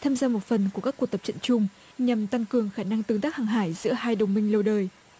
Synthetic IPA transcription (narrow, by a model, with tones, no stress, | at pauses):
t̪ʰaː˧mzaː˧mo˨˩t̚fə˨˩nku˧˩əkaː˦˥kːu˨˩ək̚t̪ə˨˩p̚t͡ɕə̰˧˨nt͡ɕʊ˧ŋ͡m | ɲa˨˩mt̪a˧ŋkɨ˨˩əŋxaː˧˩na˧ŋt̪ɨ˧˦ŋt̪aː˦˥k̚haː˨˩ŋɦaː˧˩jzɨ̰˧˥əhaː˧jɗə˨˩wŋ͡mmï˧ŋ̟lə˧wɗəː˨˩j